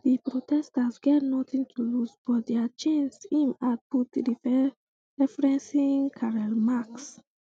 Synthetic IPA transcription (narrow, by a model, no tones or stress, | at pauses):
dipɹotʰɛstasɡɛtnɔtĩntʰulusb̥ɔt̚dɛat͡ʃẽnsĩmat̚putdifɛ | ɹɛfɹɛ̃nsĩŋkʰaɹalmaks